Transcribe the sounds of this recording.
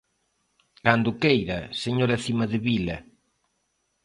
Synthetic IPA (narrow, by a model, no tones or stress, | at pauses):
kand̪ʊkejɾɐseɲoɾaθimɐðɪβilɐ